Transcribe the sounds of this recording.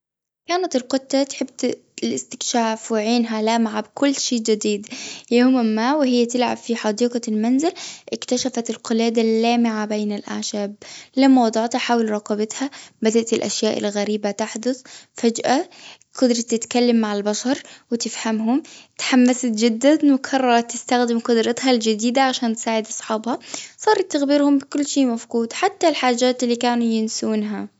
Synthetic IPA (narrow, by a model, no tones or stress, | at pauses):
kaːnat̪ɪlqʊt̪ˤːɑt̪ħɪb̚t̪ | lʔɪst̪ɪ̥kʃaːfwɪʕiːnɦalaːmʕabkʊlːʃeːd͡ʒɪd̪iːd̪jahʊmamːaːwɪhɪjːat̪ɪlʕa̰bfiħɑd̪iːqɑlmanzɪlʔɪkt̪aʃafat̪ɪlqɨlaːd̪alːaːmɪʕabeːnalʔa̰ʕʃaːb̚lamːawɑd̪ˤɑʕt̪aħaːwɪlɾˤɑqɑbɪt̪habad̪aʔt̪ɪlʔa̰ʃjaːʔɪ̰lɣaɾiːbat̪aħd̪ʊθfad͡ʒʔa | qɑd̪ɾˤɑt̪ːɪt̪kalːamːaʕalbaʃɑɾˤwɪt̪ɪfhamɦʊmt̪ħamːasat̪̚d͡ʒɪd̪ːanwɪkʰɑrˤːɑɾˤɑt̪ːɪst̪axd̪ɪmqʊd̪ɾˤɑt̪hald͡ʒɪd̪iːd̪aʕaʃaːnt̪saːʕɪd̪ʔɑsˤħɑːbhɑsˤɑːɾˤɑt̪ːaɣbiːɾhʊmbɪkʊlːʃiːʔmafɡuːd̪ħat̪ːalħaːd͡ʒaːt̪ɪlːiːkaːnujɪnsuːnɦa